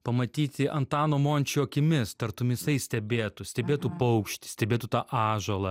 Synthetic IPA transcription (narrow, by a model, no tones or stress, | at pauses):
pɐmɐt̪ʲiːt̪ʲɪʔɐnt̪ɑːnoːmoːnʲt͡ʃʲɪoːkʲɪmʲɪst̪ɐɾt̪ʊmʲɪsɐɪsʲt̪ʲɛbʲeːt̪ʊsʲt̪ʲɛbʲeːt̪upɐʊkʃʲt̪ʲɪ̥sʲt̪ʲɛbʲeːt̪ʊt̪ɑːʔɑːʒoːlˠɐ